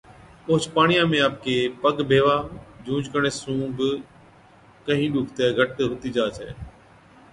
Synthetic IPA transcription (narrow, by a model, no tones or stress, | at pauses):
pʊɦt͡ʃpaːɳɪjãːmẽːaːp̚keːpəɠbʱeːʋaːd͡ʒũːd͡ʒkəɳeːsũːb | kəɦĩːɗʊːkʰt̪eːɡʱəʈɦʊt̪iːd͡ʒaːt͡ʃʰḛː